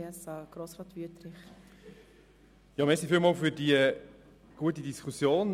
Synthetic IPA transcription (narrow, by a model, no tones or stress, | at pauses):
ɛsɑɡ̥ɾoːsrɑt̪ʋyət̪ɾɪχ | jɑmɛsifiːlmɑːlfyɾdiə | ɡ̥uət̬idiskʰusjoːn